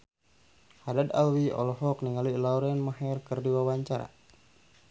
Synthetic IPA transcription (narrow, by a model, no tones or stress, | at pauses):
hadad̪awiɔ̰lɔɦɔkniŋaluilauɾɛnmaɦɛrkərdiwawaɲt͡ʃaɾa̰